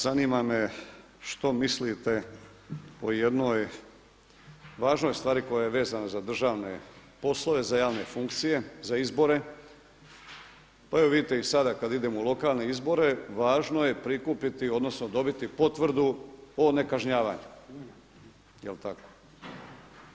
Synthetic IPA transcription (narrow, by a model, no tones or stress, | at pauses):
z̥animame̞ | ʃt̪o̞mislit̪e̞ | ojed̪no̞j | ʋaːʒno̞jst̪ʋaːɾiko̞jaje̞ʋe̞ːzanazad̪r̩ʒaːʋne̞̰po̞slˠo̞ʋe̞zajaːʋne̞fuŋkt̪sije̞zaizbo̞ɾe̞ | paeoʋid̪it̪eisad̪akad̪id̪e̞moulˠo̞kaːlˠne̞izbo̞ɾe̞ʋaːʒno̞je̞pɾikupit̪io̞d̪no̞snod̪o̞bit̪ipo̞t̪ʋr̩d̪uone̞kaʒɲaːʋaːɲu | jelt̪ako̞̥